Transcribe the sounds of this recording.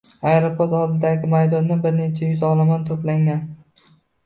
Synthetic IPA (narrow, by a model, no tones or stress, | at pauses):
ajɾɒpʰoɾt̪ɒd̪ɪd̪aɡʲɪmajd̪ɒnːabɪɾne̞t͡ʃʰajʊzɒlˠamant̪ʰoplaŋʲan